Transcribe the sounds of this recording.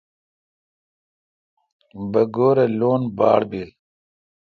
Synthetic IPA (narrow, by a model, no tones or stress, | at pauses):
bɐɡoːɾeloːnba̰ːɽbe